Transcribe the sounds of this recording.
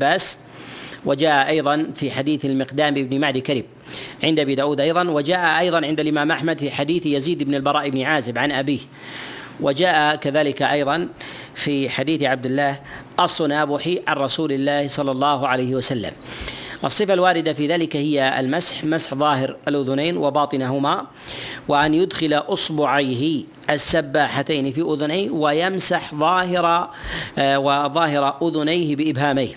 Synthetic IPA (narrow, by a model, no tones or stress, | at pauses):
bːaːs | wʔad͡ʒaːʔaʔɑjðˤɑnfiːħad̪iːθalmɪqd̪aːmɪbnɪmaʕd̪kaɾiːb̚ | ʕɪnd̪ʔabiːd̪aːʔuːd̪ʔɑjðˤɑnwad͡ʒaːʔaʔɑjðˤɑnʕɪnd̪alʔɪmaːmʔaħmad̪fiːħad̪iːθjaziːd̪ɪbnɪlbɑɾˤɑːʔɪbnɪʕaːzɪbʕanʔabiːh | wad͡ʒaːʔakaðaːlɪkaʔɑjðˤɑnfiːħad̪iːθʕab̚d̪ɪlːaːhʔɑsˤːʊnaːbʊħiʕanɾˤɑsuːlɪlːaːhsˤɑlːɑlˤːɑːhʊʕalajhɪwasalːa̰mʔɑsˤːɨfalwaːɾɪd̪afiːðaːlɪkahɪjːaa̰lmasħmasħðˤɑːɦɪɾʔalʔʊðʊnaːnwʔɪbɑːt̪ˤɨnaɦʊma | wɪʔanjʊd̪xɪlaʔʊsbʊʕajɦɪ | ʔasːabːaːħat̪aːnɪfiːʔʊðʊnajnwajamsaħðˤɑːhɪɾ | waðˤɑːɦɪɾˤɑʔʊðʊnajhbɪʔɪbɦaːmajh